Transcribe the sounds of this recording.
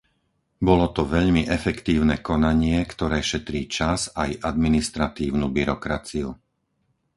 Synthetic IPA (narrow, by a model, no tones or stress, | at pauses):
bɔlɔt̪ɔʋɛʎmiʔɛfɛkt̪iːʊnɛkɔnaɲɪɛkt̪ɔɾɛːʃɛt̪ɾiːt͡ʃazajʔad̪minist̪ɾat̪iːʊnubiɾɔkɾat͡siu